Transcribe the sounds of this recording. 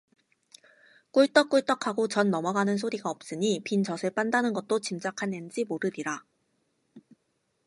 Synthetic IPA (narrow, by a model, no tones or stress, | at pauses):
k͈uɭt͈ʌk͈uɭt͈ʌkʰaɡot͡ɕʌnːʌmʌɡanɯnsʰoɾiɡaʌp̚s͈ɯɲipint͡ɕʌsʰɯɭp͈andanɯnɡʌt̚t͈ot͡ɕimd͡ʑakʰanend͡ʑimoɾɯɾiɾa